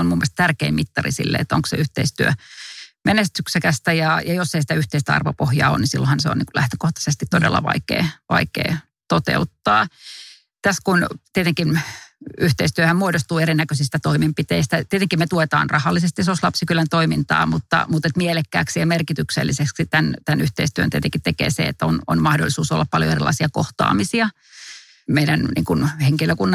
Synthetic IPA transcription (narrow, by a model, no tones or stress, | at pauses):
ommumːoest̪t̪ærkeimmit̪ːɑrḭsḭlːḛːt̪ːo̰ŋksḛyht̪eist̪yø | mʔenest̪yksekæst̪æjɑjɑjosːeisit̪æyht̪eist̪æɑ̰rʋo̰pohjɑ̰ːo̰nnisilːohɑnseo̰nḭŋkulʔæht̪ø̥koht̪ɑ̥sest̪it̪t̪odḛlːɑ̰ʋɑ̰ikḛːʋɑ̰ikḛː | t̪ot̪ḛut̪ːɑː | t̪æskunt̪iet̪eŋkin | yht̪eist̪yøhæmmuodost̪uːeɾinːækøsist̪æt̪oimempit̪eist̪æt̪iet̪eŋkimmet̪uet̪ɑ̰ːnrɑhɑlːisest̪isoslɑpsikylænt̪oimint̪ɑ̰ːmut̪ːɑ̰mut̪et̪mielekːæ̰ːksiɛmerkit̪yksḛlːiseksit̪ænt̪ænyht̪eist̪yønt̪iet̪eŋkit̪t̪ekḛːsḛḛt̪ːono̰nmɑhdo̰lːˑisuːso̰lːɑppɑljo̰erilʔɑ̰isiɑko̰ht̪ɑ̰ːmisiɑ | meidænnḭŋkunheŋkiløkunːɑ